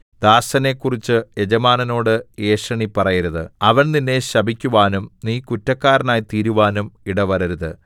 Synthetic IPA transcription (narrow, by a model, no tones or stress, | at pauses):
d̪aːsɐne̞ːkːurit͡ɕːɨe̞d͡ʑɐmaːnɐno̞ːɽɨe̞ːʂɐɳipɐrɐjɐɾɐðɨ̰ɐʋɐɳninːe̞ɕɐbʱikʲːuʋaːnumniːkutːɐkːaːɾɐnaːjt̪iːɾuʋaːnumiɽɐʋɐɾɐɾuðɨ